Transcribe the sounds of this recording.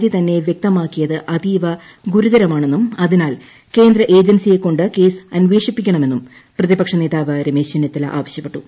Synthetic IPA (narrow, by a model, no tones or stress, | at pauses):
d͡ʑit̪ɐnːe̞ʋjek̚t̪ɐmaːkːijɐðɨʔɐd̪iːʋɐ | ɡuɾuðɐɾɐmaːɳe̞nːumɐðinaːl | ke̞ːnd̪ɾɐʔe̞ːd͡ʑɐnsije̞kːo̞ɳɖɨke̞ːsɐnʋe̞ːʂipːikʲːɐɳɐme̞nːum | prɐðibɐkʂɐne̞ːðaːʋɐɾimeːɕɐnːɐt̪ːɐlʔa̰ːʋɐɕjɐpːe̞ʈːu